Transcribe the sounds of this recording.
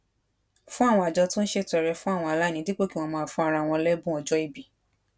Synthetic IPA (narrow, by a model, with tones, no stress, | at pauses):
fũ˦a˦˨wɔ̃˧a˨d͡ʒɔ˧tũ˦n̩˦ʃe˦˨tɛ˨˧ɾɛ˧fũ˦a˦˨w̃ɔ̃˧a˨la˦˨nĩ˧˦di˦k͡po˦ki˦w̃ɔ̃˧mãː˧˨fũ˧a˧ɾ̃ã˧˨w̃ɔ̃˧lɛ˦bũ˦ɔ˨˧d͡ʒɔ˦i˦˨bi˨